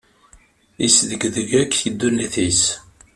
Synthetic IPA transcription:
isðəɡðəʝækːθid̪ːuniθis

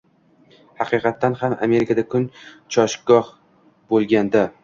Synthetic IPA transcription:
hɑqʰɨjqɑt̪ʰːanhamʔa̰me̞ɾɪkʰad̪akʰʊnt͡ʃʰɒʃɡɒh | bolˠɡʲand̪a

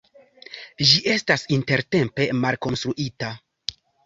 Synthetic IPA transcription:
d͡ʒiʔe̞stasinte̞ɾte̞mpe̞malko̞nstɾuʔita

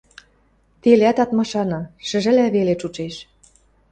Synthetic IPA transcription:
t̪eleæt̪ɑt̪mɑʃɑnɤʃə̆ʒɘ̆læβelet͡ʃut͡ʃeʃ

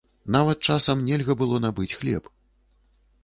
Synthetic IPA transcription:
navɐt̪̚t͡ʂasɐmnʲɛlʲɣɐbɨlˠɔnabɨt͡sʲxlʲɛ̰p

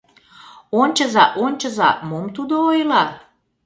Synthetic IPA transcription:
onʲt͡ɕəzɑʔonʲt͡ɕəzɑ̰momt̪ud̪oojlɑ

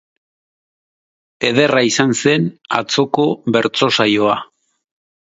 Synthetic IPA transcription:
e̞ð̞e̞raisanse̞na̰t͡so̞ko̞βe̞ɾt͡so̞sajo̞a

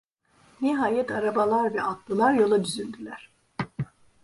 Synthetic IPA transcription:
niɦaːjɛt̪aɾabalˠaɾvɛat̪lˠɯlˠaɾjo̞lˠad̪yzynd̪ylʲæɾ̥

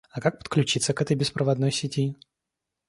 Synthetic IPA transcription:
ɐkak̚pə̥t̪̚klʲʉt͡ɕit̪səkɛt̪əjbʲɪspɾəvɐd̪nojsʲɪtʲi

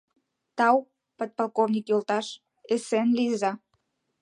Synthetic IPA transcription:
t̪ɑw | pot̪̚pɑlˠkovnʲikjolt̪ɑʃ | esenlizɑ

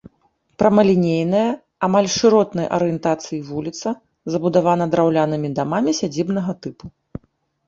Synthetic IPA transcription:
pɾɐmɐlʲinʲejnɐjɐ | amalʲʂɨɾɔt̪nɐjʔɐ̰ɾɨjɛnt̪at̪sɨjivulʲit̪sɐ | zɐbud̪avan̪ɐd̪ɾawlʲanɨmʲid̪amamʲisʲad͡zʲibn̪ɐɣɐt̪ɨpu

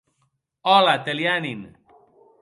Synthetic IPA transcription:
ɔlat̪eljanin

